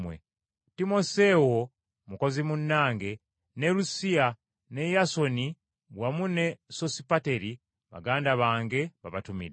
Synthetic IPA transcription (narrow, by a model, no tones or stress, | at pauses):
wḛ | timo̞se̞wo̞ | muko̞zimunːaːŋɡe̞ | nelusia | ne̞jaso̞ni | ɡwamune̞so̞sipate̞ɾi | βa̰ɡaːndaβaːŋɡe̞βaβatumḭɾ